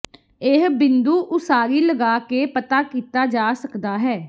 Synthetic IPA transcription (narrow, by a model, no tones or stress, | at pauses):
eɦbɪnd̪uːʔʊsaːɾiːləɡaːkeːpət̪aːkiːt̪aːd͡ʒaːsəkd̪aːɦɛː